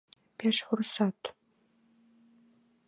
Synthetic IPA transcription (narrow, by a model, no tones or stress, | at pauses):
pʰeʃħʷʊrsaːtʰ